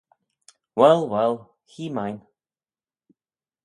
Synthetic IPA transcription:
wɛlˠwɛlˠ | hiːmajn

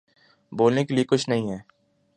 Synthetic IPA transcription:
boːlnekeliekʊt͡ʃʰnɐɦĩɦɛː

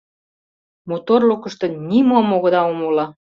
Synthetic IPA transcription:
mot̪orlukə̆ʃt̪ɤ̆nimomoɣɤ̆d̪ɑomulɑ

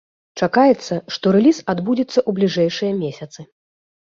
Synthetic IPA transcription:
t͡ʂakajɛt̪sːɐʂt̪ɔɾɛlʲisad̪bud͡zʲit̪sːɐʔublʲiʐɛjʂɨjɐmʲesʲɐt̪sɨ

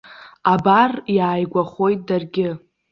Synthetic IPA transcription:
abarjaːjɡʷaχo̞jt̚ʼdarɡʲɪ

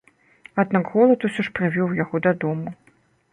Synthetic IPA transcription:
ad̪naɡɣɔlˠɐt̪usʲɔʂpɾɨvʲɔwjaɣɔd̪ɐd̪ɔmu

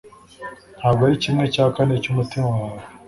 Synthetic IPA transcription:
n̥haːbɡoaɾicimŋe̞caːkane̞cumutimawaːɾe

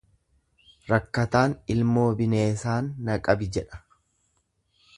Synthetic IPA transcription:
ɾɐkːɐt̪aːnɪlmo̞ːbɪne̞ːsaːnːɐkʼɐbɪd͡ʒɛᶑɐ̥

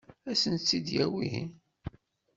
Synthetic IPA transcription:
æsənt͡sːid̪jæwiɦḭn

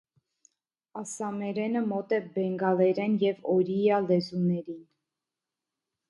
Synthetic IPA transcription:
ɑsɑmɛɾɛnəmɔt̪ɛbɛŋɡɑlɛɾɛnjɛvɔɾijɑlɛzunɛɾin

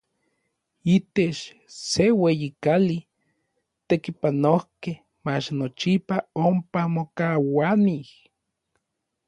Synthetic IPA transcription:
it̪et͡ʃ | sewejikali | t̪ekipanohkeh | mat͡ʃnot͡ʃipaompamokawanih

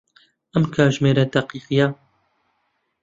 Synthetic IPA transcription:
ʔɐmkʰaːʒmeːɾɐd̪aqiːqija

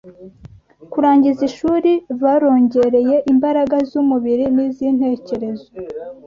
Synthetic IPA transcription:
kuɾaːɲɟiziʃuːɾiβaːɾo̞ːɲɟe̞ɾe̞je̞ʔimbaɾaɡazumuβiɾiniziːn̥he̞ːce̞ɾe̞zo

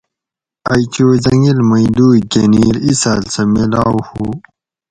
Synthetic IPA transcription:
ajt͡ɕoːzɐŋɡilmɐid̪uːɡeniɾisaːlsɐmilaːwhu

